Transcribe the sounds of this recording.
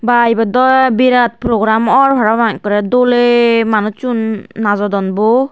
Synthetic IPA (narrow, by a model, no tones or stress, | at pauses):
baibadɔbiɾat̪̚pɾɔɡɾamɔɹbʱaɹabaŋkɔɾɛdolemanut͡ʃunːazɔdɔnbɔ